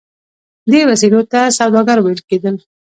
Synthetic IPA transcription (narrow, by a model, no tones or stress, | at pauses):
d̪ewasilot̪asawd̪ɑɡaɾwajəlked̪əl